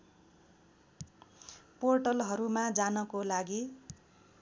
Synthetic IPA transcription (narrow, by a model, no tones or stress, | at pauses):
porʈʌlɦʌɾumad͡zanʌkolaɡi